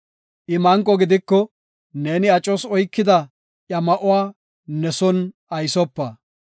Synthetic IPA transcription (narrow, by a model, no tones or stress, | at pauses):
ʔɪmɐŋkʼːɔɡɪd̪ɪkːɔ | ne̞ːnɪɐt͡ʃʼɔsɔjkːɪd̪ɐ | ʔjɐmɐʔʊwaː | nɛsɔn | ɐjsɔpːɐ